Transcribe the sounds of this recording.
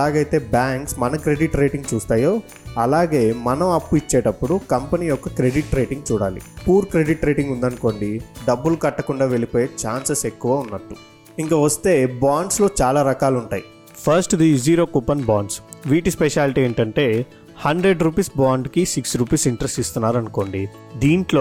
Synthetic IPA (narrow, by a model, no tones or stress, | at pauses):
ɐlaːɡɐjt̪e̞ːbaːŋksmɐnɐkɾe̞ɖiʈɾeːʈiŋɡt͡ʃuːst̪aːjo̞ː | ɐlaːɡe̞ːmɐnɐmɐpːuit͡ʃːeːʈɐpːuɽukɐmpɐniːjɔkːɐkɾe̞ɖiʈɾe̞ːʈiŋɡt͡ʃuːɽa̰ːlḭpuːɾkɾe̞ɖiʈɾeːʈiŋɡund̪ɐnko̞ːɳɖiɖɐbːulukɐʈːɐkuɳɖaːʋe̞lipo̞ːjeːt͡ʃaːnsese̞kːuʋaːunːɐʈːu | iŋkɐːʋɐst̪e̞ːbaːɳɖslo̞ːt͡ʃaːlaːɾɐkaːluɳʈaːji | pʰɐɾsʈd̪iziːɾoːkupɐnbaːɳɖsʋiːʈispeʃaːliʈiːeːɳʈɐɳʈe̞ː | hɐɳɖɾeɖɾuːpiːsbaːɳɖkisiksɾuːpiːsiɳʈɾesʈist̪unːaːɾɐnuko̞ːɳɖi | d̪iːɳʈloː